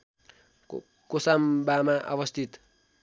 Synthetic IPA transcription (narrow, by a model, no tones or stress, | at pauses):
kosambamaʔa̰wʌst̪ʰit̪